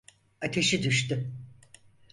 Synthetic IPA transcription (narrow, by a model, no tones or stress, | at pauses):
at̪ʰe̞ʃid̪yʃt̪y